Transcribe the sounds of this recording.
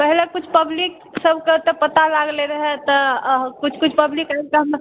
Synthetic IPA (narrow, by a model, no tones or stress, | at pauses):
pɛɦlekʊt͡ʃʰpəblɪk̚ | səbket̪epət̪alaɡleɾəɦɛt̪əkʊt͡ʃʰkʊt͡ʃʰpəblikakeɦm